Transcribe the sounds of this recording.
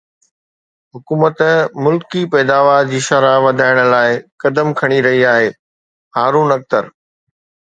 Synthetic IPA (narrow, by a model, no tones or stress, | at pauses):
ɦʊkuːmət̪mʊlkipɛːd̪aːʋaːɾd͡ʑiːʃɐɾaʋɐd̪ʱaːɪɽ̃ə̆laːɪkɐd̪əmkʰɐɽ̃iɾɐɦiaːɦeː | haːɾuːnɐk̚t̪əɾ